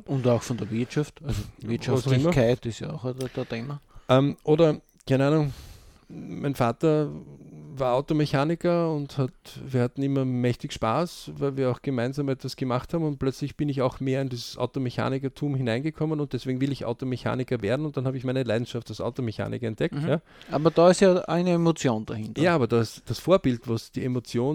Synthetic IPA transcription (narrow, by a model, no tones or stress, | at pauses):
ʊntaʊxfɔndəɐviɐtʃaftalzoʋɪɐʃasʊɪmɐkʰaɪtɪsja̰aʊxdd̥əteːmɐʔɛmʔoːdɐ | kʰæɪneaːnʊŋ | mʔaɪnfaːtɐ | vaːɐʔaʊtomeçaːnɪkɐʊnthatviːɐhatn̩ɪmɐmɛçtɪçʃpaːsvæɪlviːɐaʊxɡ̥əmaɪnzaːmɛtv̥asɡ̥əmaχthaːbm̩ʊnt̚plœt͡slɪçb̥ɪnɪçaʊxmeːɐɪndiːzəsʔa̰ʊtomeça̰ːnɪkɐtʰuːmhɪnaɪnɡəkʰɔmənʊnt̚d̥ɛsv̥eːɡŋ̩vɪlɪçʔa̰ʊtomeça̰ːnɪkɐveːɐdn̩ʊnt̚d̥anhaːbəɪçmæɪnəlaɪdn̩ʃaftalsa̰ʊtomeça̰ːnʔɪ̰kɐɛntd̥ɛktjaː | ʔa̰ːbɐd̥aɪstjaːʔæɪnəemot͡sjoːnd̥a̰hɪ̃ntjaːaːbɐdaɪstd̥asfoːɐbɪltvasd̥iemot͡sjoːn